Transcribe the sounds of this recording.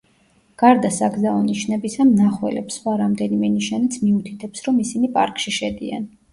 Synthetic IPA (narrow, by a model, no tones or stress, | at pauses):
ɡ̥aɾd̪asaɡzaɔniʃnɛbisamnaχwɛ̰lɛ̰psχwaɾamd̪ɛnimɛniʃanit̪sʰmiut̪ʰit̪ʰɛpsɾɔmisinipʼa̰ɾkʼʃiʃɛd̪ḭa̰n